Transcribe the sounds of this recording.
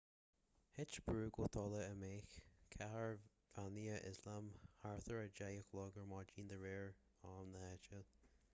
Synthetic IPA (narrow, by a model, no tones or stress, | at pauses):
hɪt͡ʃb̥ɹuːɡoːt̪ʰɔləəmeːxkʰaɦəɹ | vaniəʔɪzlamhaɹθəɹəd͡ʒajəklɔɡəɹmɑːd͡ʒiːnd̪əɹeːɹ | ɑːmləɛt͡ʃə